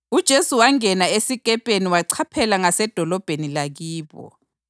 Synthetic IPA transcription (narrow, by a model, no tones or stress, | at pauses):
ud̥ʒ̥ʱesuwaŋɛnaesiɣʼɛpʼeniwaǀʰapʰɛlaŋasɛd̥ʱɔlɔb̥ʱenilaɣiːβɔ̰